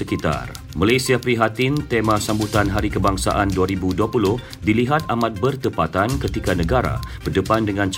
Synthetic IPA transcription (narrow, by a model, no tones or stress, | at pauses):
əkit̪a̰r | malajsiapɾiɦat̪int̪emãsambut̪anɦaɾikəbaŋsa̰ʔanduaɾibuduapulʊh | diliɦat̪̚amat̪̚bərt̪əpat̪ankət̪ikanə̃ɡaɾa̰b̥ərdəpandəŋãnt͡ʃ